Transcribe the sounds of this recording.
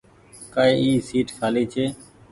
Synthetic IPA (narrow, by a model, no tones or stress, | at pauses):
kaːeːiːsiːʈkʰaːliːt͡ʃʰeː